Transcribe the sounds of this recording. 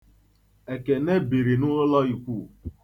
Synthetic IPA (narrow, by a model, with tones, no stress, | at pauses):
e˨ke˨ne˦bi˨ɾi˨nʊ˦lɔ˦i˨kʷu˦˨